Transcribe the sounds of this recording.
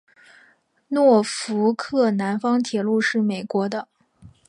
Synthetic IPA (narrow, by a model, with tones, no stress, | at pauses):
nwɔ˥˩fu˧˥kʰɤ˥˩na˧˥nfɑ˥ŋt̪ʰjɛ˨˩lu˥˧ʂɻ̩˥˩me˨˩ɪkwɔ˧˥d̪ə˧